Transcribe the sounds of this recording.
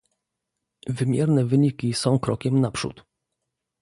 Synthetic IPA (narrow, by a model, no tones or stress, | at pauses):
vɘmʲjɛɾnɛvɘɲikʲisɔ̃w̃kɾɔkʲɛmnapʂṵt̪